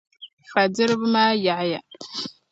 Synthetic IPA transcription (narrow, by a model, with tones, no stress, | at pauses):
fa˨d͡zɨ˦ɾbma˦ja˨ʕja˨